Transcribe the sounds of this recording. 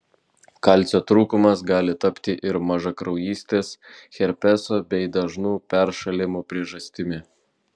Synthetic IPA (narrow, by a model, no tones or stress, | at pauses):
kɑˑlʲt̪sʲoːt̪ɾuːkʊmɐsɡɑːlʲɪt̪ɐpʲt̪ʲɪʔɪɾmɐʒɐkɾɒʊjiːsʲt̪ʲeːsxʲɛɾʲpʲɛsoːbʲɛɪd̪ɐʒnuːpʲɛɾʃɐlʲɪmupʲɾʲiɛʒɐsʲt̪ʲɪmʲɪ